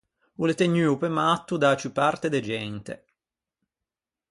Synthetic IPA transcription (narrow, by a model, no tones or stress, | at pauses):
ulet̪eɲyːupemat̪ːud̪at͡ʃupart̪ed̪ed͡ʒɛnt̪ḛ